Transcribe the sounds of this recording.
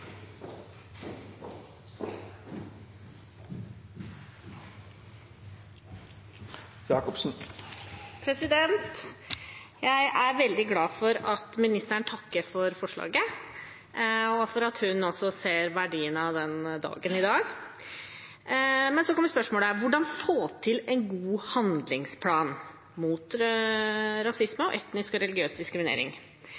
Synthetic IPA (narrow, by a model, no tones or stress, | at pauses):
jɑːkɔpsn̩ | pʰɾɛsɪd̪ɛnt̪ | jæɪʔæɾʋɛld̪ɪɡlɑːfɔɾɑt̪mɪnɪst̪əɳ̩t̪ʰɑkːəɾfɔɾfɔʂɭɑ̰ːɡə | ɔfɔɾɑt̪hʉnɔsɔseːɾʋæɖiːənɑd̪ɛnd̪ɑ̰ːɡənɪd̪ɑːɡ | mɛnsɔkʰɔmʋəspœʂmoːləæɾʋʊɖɑnfoːt̪ʰɪlɛɪnɡuːhɑnd̪lɪŋspʰlɑːn | muːt̪ | ɾɑsɪsməɔʔɛt̪nɪskɔɾɛlɪɡɪøːsd̪ɪskɾɪmɪnḛːɾɪ̰ŋ